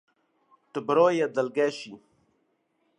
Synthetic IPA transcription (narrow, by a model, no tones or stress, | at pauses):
t̪əbɾoːjad̪ɐlɡeːɕi